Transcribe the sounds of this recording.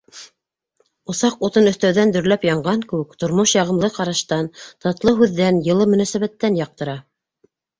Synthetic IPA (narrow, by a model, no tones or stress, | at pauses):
ŏsɑqut̪ɤnɵ̆θt̪æwðænd̪ɵ̆ɾlæpjɑɴɢɑŋkɘwɘkt̪ŏɾmoʃjɑʁɤ̆mlˠɤqɑɾɑʃt̪ɑnt̪ɑt̪lˠɤɦʉðːænjɤ̆lˠɤmɵ̆næsæβæt̪ːænjɑq̚t̪ɤ̆ɾɑ